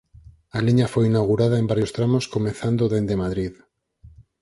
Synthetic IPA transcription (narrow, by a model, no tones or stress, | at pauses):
aliɲafojinawɣuɾaðaembaɾjost̪ɾamoskomẽθand̪oðend̪emaðɾið